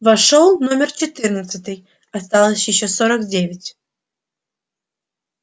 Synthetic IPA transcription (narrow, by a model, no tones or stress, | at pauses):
vɐʂolˠnomʲɪrt͡ɕɪt̪ɨrnət̪sət̪ɨj | ɐst̪alˠəsʲjɪɕːosoɾəkdʲevʲɪtʲ